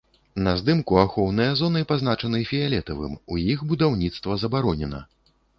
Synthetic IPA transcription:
nɐzd̪ɨmkuaxɔwnɨjɐzɔnɨpaznat͡ʂɐnɨfʲijalʲɛt̪ɐvɨ̰mujixbud̪awnʲit̪st̪vɐzɐbaɾɔnʲɛnɐ̰

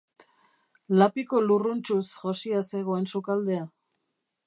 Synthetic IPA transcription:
lapiko̞lurunt͡ʃusʝo̞siase̞ɣo̞e̞nsukald̪e̞a

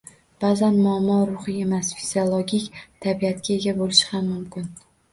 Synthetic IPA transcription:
b̥azanmʊamːɒɾʊχɨe̞masfiziolˠoɡʲikʲt̪ʰabiat̪kʲae̞ɡʲabolɪʃɪ̥hamːʊmkʲɪn

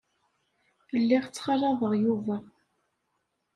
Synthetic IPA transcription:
əlːiʁt͡sːχɑrˤɑðəʁjuvæ

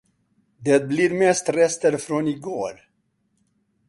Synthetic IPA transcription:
d̪ɛt̪̚bliɾmɛst̪ɾɛst̪əɾfɾonɪɡo̰ːɾ

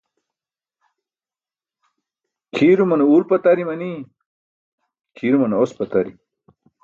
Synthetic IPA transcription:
kʰiːɾumɐneuːlpɐt̪ɐɾimɐni | kʰiːɾumɐneospɐt̪ɐɾi

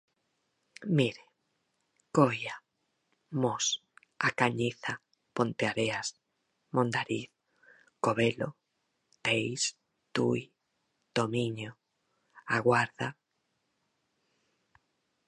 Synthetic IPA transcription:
miɾe | koja | mos | akaɲiθa | põnt̪eaɾeas | mõnd̪aɾiθ | koβelo̰ | t̪ejs | t̪uj | d̪̥omiɲo | aɣwaɾða

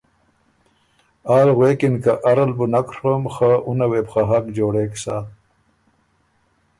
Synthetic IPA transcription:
aːlɣwekinkaʔaɾalbunakɾwomxaʔunaweːpxaɦakd͡ʒoːɽeːksa

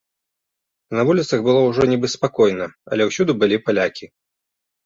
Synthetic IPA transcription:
nɐvulʲit̪sɐɣbɨlˠɔwʐɔnʲɛbɨspakɔjnɐɐ̰lʲɛwsʲud̪ubɨlʲipalʲakʲi

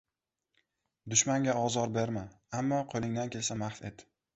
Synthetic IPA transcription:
d̪ʊʃmaŋɡʲaɒzɒɾbeɾma | amːɒqʰolˠɪŋd̪ankʲʰe̞lsamaχfe̞t̪

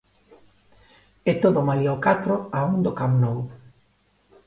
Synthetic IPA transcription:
et̪oðʊmaliokat̪ɾoaund̪okamnow

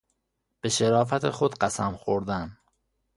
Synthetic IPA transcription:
b̥e̞ʃeɾɒːf̬æt̪ʰexod̪ɢæsæmxoɾd̪æm

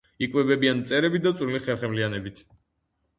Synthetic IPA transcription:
ikʼwɛbɛbiant̪sʼɛɾɛbit̚d̪at̪sʼɾiliχɛɾχɛmlianɛbit̪ʰ

